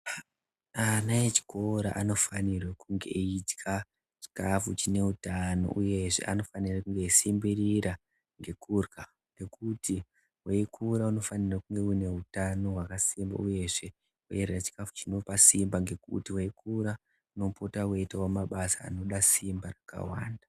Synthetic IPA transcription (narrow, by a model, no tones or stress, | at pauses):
anajet͡ʃi̥ko̞ɾa̰ʔano̞fanirwekuŋɡe̞̰ʔitkʰa | t͡ʃi̥kafut͡ʃine̞utano̞̰ʔujeʐe̞̰ʔano̞fanirakuŋɡe̞simbiriɾa | ŋɡe̞kurka | ne̞kuti | weikʰuɾauno̞fanirakuŋɡe̞une̞utano̞ɦwakasimba̰uje̞ʐe | weerrat͡ʃi̥kafu̥t͡ʃino̞pasimbaŋɡe̞kṵtiweikuɾa | unopotaweitawomaɓasa̰ːno̞ɗasimbaraka̰waːnda